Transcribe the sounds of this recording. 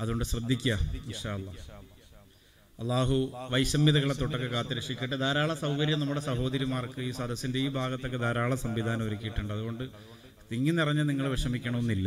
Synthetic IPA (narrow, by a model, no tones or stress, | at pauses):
ɐðuɣo̞ɳɖɨsrɐd̪ʱːikʲːɐinʂaːɐlˠˤːaː | ɐlˠˤːaːɦuʋɐjɕɐmːiðɐɣɐɭet̪oʈːɐkːekaːt̪ːiɾɐʂikʲːeʈːɨd̪aːɾaːɭɐsɐwkɐɾjɐmnɐmːuɽe̞sɐɦo̞ːd̪ɐɾjɐmaːrkɨiːsɐd̪ʱɐsːinde̞iːbʱaːɡɐt̪ːo̞kːed̪ʱaːɾaːɭɐsɐmʋid̪ʱaːnɐmɐɾikʲːijiʈːuɳɖɨɐðuɣo̞ɳɖɨ | t̪iŋːinːirɐɲːɐniŋːɐɭʋeʂɐmikʲːɐɳɐmonːilːɐ